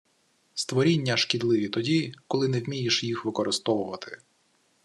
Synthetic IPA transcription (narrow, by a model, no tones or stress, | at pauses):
st̪ʋɔɾʲinʲːɐʃkʲid̪lˠɪʋʲit̪ɔdʲikɔlˠɪnɛwmʲijiʃjixʋɪkɔɾʔɪst̪ɔʋʊʋɐt̪ɪ̥